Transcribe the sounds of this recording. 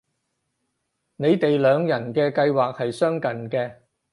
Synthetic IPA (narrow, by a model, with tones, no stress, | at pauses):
ne˨˧jt̪e˨jlœː˨˧ŋjɐ˨˩nkɛː˧kɐ˧jwaː˨k̚hɐ˨jsœː˥ŋkɐ˨˩nkɛː˧